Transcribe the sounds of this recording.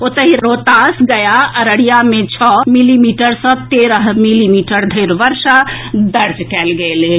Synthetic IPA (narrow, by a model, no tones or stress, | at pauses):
ot̪əɦiɾot̪asɡəjaəɾəɽijamẽt͡ʃʰɔmilimiʈəɾsə̃t̪eɾəɦmilimiʈəɾd̪ʱəjɾʋəɾʃad̪əɾd͡ʒkɛlɡele